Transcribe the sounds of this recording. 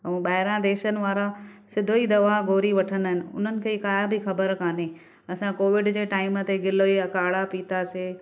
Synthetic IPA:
ɐũːɓaːɦɪɾãd̪eːʃənɪ̆ʋaːɾasɪd̪ʱoid̪ɐʋaɡoːɾiʋɐʈʰənɦɪnɪ̆ʊ̰n̤ənɪ̆kʰeːkaːjabɪxɐbəɾkaːne | ɐsãkoːʋɪɖd͡ʑeːʈaːɪmə̆t̪eɡɪloiɐkaːɽapit̪aseː

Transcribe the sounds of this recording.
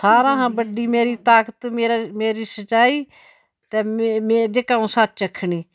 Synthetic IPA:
saːɾãːɦãːbəɖiːmeːɾiːt̪aːkət̪meːɾameːɾiːsət͡ʃaːiː | t̪eːmeːd͡ʒekaːũːsat̪ːt͡ʃəkʰːɳiː

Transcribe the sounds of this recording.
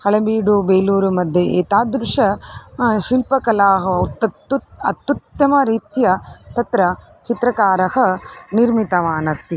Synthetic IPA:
hɐɭɐbiːɖubejluːɾumɐd̪ʱjɐḛːt̪aːd̪ɾuʂɐ | ʃilpɐkɐlaːɦɐt̪ːɐt̪ːuɐt̪ːut̪jɐmɐɾiːt̪jɐt̪ɐt̪ɾɐ | t͡ʃit̪ɾɐkaːɾɐhɐ̆niɾmit̪ɐʋaːnɐst̪i

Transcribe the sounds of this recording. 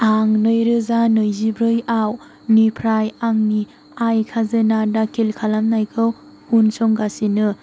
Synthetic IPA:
aŋnɯjɾɯzanɯjzibɾɯjaw | nipʰɾajaŋni | ajkʰazɯnadakʰilkʰalamnajkʰɯw | hunsɔŋɡasinɯ

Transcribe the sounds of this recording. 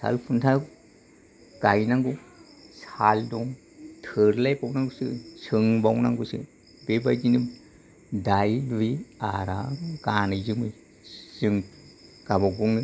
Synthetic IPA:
sa̰lpʰuntʰa | ɡ̥ajnaŋɡu | saldɔŋ | tʰɯɾlajpawnaŋɡusɯsɯŋbawnaŋɡusɯ̰ | bebajd͡ʒinɯ | dajliaɾa̰ɡanɯjzɯmɯj | z̥ɯŋɡaβaɡɔŋɯ

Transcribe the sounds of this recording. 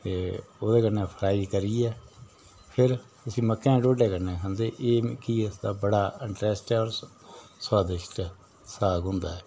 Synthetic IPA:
t̪eːoːd̪eːkənːẽːpʰəɾaːiːkəɾiːɛː | pʰɪɾt̪ʊsĩːməkːɛ̃ːɖoːɖeːkəɾnẽːkʰə̃nd̪eːʔeːkiɪsd̪aːbəɽaːɪɳʈɾɛːsʈɛɔːɾ | saːd̪ɪʃʈ | saːɡɦʊ̃nd̪a̰ːɛː

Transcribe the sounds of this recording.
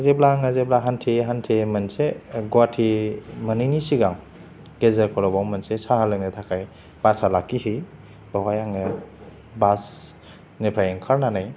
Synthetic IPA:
zeblaŋazeblaɦantʰiɦantʰemɐnseɡwatʰimɯnɯjnisiɡaŋ | ɡ̥ezaɾkʰɔɾɔbawmɐnsesahalɯknetʰakʰaj | b̥asalakːihi | bawajaŋe | bas | nepʰajeŋkʰaɾnanaj

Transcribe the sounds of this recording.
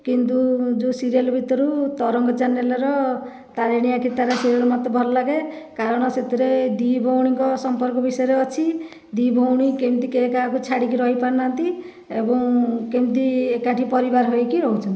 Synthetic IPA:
kint̪ud͡ʒusiɾijalbʱit̪ɔɾut̪ɔɾɔŋɡɔt͡ʃanjalɔɾɔ | t̪aɾeɽ̃ijakʰit̪aɾesiɾijalɔmɔt̪ɔbʱɔɾɔlaɡekaɾɔɽ̃ɔset̪iɾed̪ibʱowɽ̃iŋkɔsɔmpɔɾkɔbisɔjeɾeɔt͡ʃʰi | d̪ibʱowɽ̃ikemt̪ikekakut͡ʃʰaɽikiɾɔɦipaɾnant̪i | ebɔŋkemt̪iekaʈʰipɔɾibaɾɦojkiɾɔɦwt͡ʃʰɔni

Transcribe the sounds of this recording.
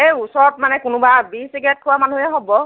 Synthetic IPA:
ejusɔɹɔt̚manɛkʊnʊbabisiɡɛt̚kʰʊwamanuɦɛɦobɔ

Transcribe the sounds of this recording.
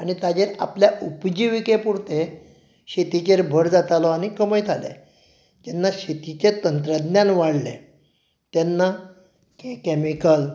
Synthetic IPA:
añit̪ad͡ʑeɾapljaupd͡ʑiʋikepuɽt̪e | ɕet̪it͡ɕeɾbʱəɾd͡zat̪alɔaɽ̃ikəməjt̪ʰalḛ | d͡ʑɛnːaɕet̪it͡ɕet̪ənt̪ɾəd̪njãnʋaɽlḛ | t̪ɛnːa | kekɛmikəl

